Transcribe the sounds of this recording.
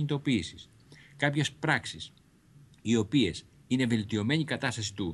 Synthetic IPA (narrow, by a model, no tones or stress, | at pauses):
ɲit̪o̞piːsis | kɐpçespɾɐksis | io̞pie̞s | ine̞ve̞lt̪io̞me̞ɲikɐt̪ɐst̪ɐsi̥t̪u